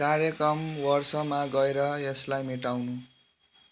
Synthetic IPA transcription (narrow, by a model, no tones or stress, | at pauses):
kaɾjʌkɾʌmwʌrsʌmaɡʌeɾʌjeslajmeʈawnu